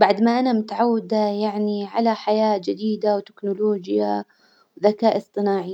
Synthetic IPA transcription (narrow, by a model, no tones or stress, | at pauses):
baʕd̪maʔanamɪt̪ʕawːad̪ajaʕniʕalaħajaːd͡ʒɪd̪iːd̪awt̪ɪ̥knʊloːd͡ʒja | wðakaːʔɨsˤt̪ˤɨnaːʕi